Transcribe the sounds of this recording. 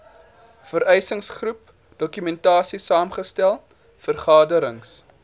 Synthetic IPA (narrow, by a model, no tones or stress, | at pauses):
fəɾɛjsəŋsχrup̚ | d̥ɔkymɛntɑːsisɑːmχəstælˠ | fərχɑːdəɾəŋs